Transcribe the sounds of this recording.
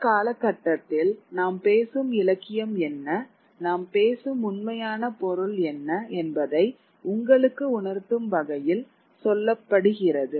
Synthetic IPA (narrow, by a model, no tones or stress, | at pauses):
kaːlɐkːɐʈːɐt̪ːɪlnaːmpeːsɯmɪlɐkːɪjɐmɛnːɐ | naːmpeːsɯmʊnmɐjaːnɐpɔɾɯɭɛnːɐɛnbɐðɐɪ | ʊŋɡɐɭɯkːɯʊɳɐɾt̪ːɯmbɐɣɐjɪl | sɔlːɐpːɐɽɯɣɪrɐðɯ